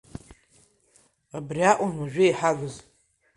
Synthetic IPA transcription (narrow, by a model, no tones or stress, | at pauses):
abriaʔʷanwaʒᶣʷɪiħaɡɨz